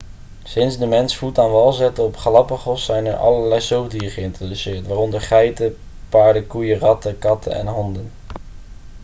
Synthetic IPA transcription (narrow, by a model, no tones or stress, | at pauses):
sɪnzdəmɛnsfutaːnʋɑlˠzɛtəɔpχlɑpəχɔsːɛjnɛ̰ɹʔɑ̰ləɹlɛjsowdiːəχəɪntrodysɪːɹtʋaːrɔndəɹχɛjtə | paːɹdəkujərɑtəkɑtʰə̰nɛ̰nɦɔndən